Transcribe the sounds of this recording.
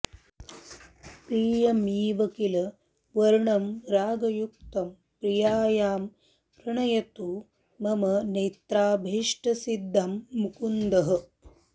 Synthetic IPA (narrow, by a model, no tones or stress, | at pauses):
pɾiːjɐmiːʋɐkilɐ | ʋɐɾɳɐmɾaːɡɐjuk̚t̪ɐm | pɾijaːjaːm | ɾɐɳɐjɐt̪u | mɐmɐneːt̪ɾaːbʱiʂʈɐsid̪ʱːɐmːukund̪ɐɦɐ̆